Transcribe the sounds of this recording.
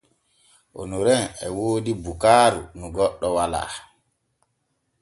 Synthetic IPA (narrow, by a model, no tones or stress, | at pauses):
ʔo̰nuɾɛnɛ̰woːdibukaːɾṵnuɡɔɗːɔwala̰ː